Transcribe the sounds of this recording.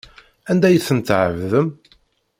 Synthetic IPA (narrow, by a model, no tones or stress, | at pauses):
ænd̪æjəθənt̪ʕəvðəm